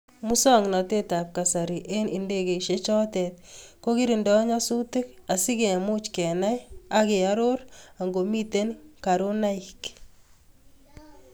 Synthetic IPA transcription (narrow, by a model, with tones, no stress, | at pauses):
mu˦sɔ˦ŋna˨te˦ta˨p̚ka˨sa˨ɾi˨ʔe˦ni˨nde˦ke˨i˨ʃet͡ʃɔ˦tɛ˨t̚ko˦ki˦ɾi˨ndɔ˦ɲa˦su˦tɪ˦ka˨si˦ke˨mʊ˦t͡ʃkɛ˨na˦ja˦ke˨a˦ɾo˦ɾa˨ŋɡo˨mi˦te˦nka˨ɾo˦na˦ik